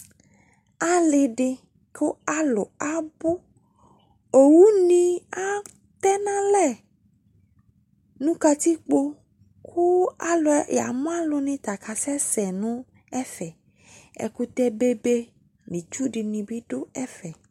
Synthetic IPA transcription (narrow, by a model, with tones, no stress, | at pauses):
a˨lɪ˨ɖɪ˨ | kʊ˦a˦lʊ˨a˦bʊ˦ | o˨wu˦nĩ˦a˦ | t̪ɛ˦nã˦lɛ˦˨ | nũ˦ka˦t̪i˦k͡po˦ | kʰu˦a˦lʊ˨ja̰˨mõ˦a˦lʊ˨nĩ˨t̪a˨ka˨sɛ˦sɛ˨nũ˦ | ɛ˦fɛ˨ | ɛ̰˨ku˦t̪ɛ˦be˦be˦ | mĩ˨t͡ʃu˦ɖɪ˨nĩ˨bi˦ɖʊ˦ɛ˦fɛ˨